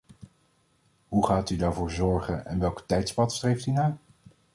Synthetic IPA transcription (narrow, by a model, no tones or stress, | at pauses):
ɦuχaːtydaːɹvʊːɹzɔɹχənɛ̰nʋɛlˠktɛjtspɑtstrejftynaː